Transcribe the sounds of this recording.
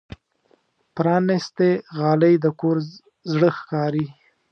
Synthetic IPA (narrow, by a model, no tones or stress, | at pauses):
pɾɑnɪst̪eɣɑləjd̪əkoɾ | zɽəxkɑɾi